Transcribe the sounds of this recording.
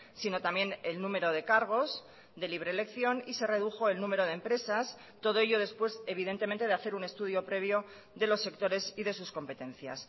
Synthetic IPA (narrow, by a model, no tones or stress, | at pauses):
sino̞t̪amje̞ne̞lnũme̞ɾo̞ð̞e̞kaɾɣ̞o̞z | ðe̞liβɾe̞le̞kθjo̞nise̞re̞ð̞uxo̞e̞lnũme̞ɾo̞ð̞empɾe̞sas | t̪o̞ð̞o̞eʎo̞ð̞e̞spwe̞ze̞β̞iðe̞nt̪e̞ment̪e̞ðeaθe̞ɾune̞st̪uð̞jo̞pɾe̞β̞jo̞ | ðelo̞sːe̞kt̪o̞ɾe̞siðe̞susko̞mpe̞t̪e̞nθja̰s